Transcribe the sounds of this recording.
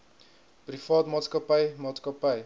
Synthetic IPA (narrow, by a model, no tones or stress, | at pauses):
prifɑːtmɑːtskəpəjmɑːt̪skəpəj